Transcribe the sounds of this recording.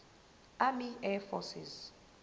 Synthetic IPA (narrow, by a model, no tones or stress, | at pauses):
amiɛfɔsḭz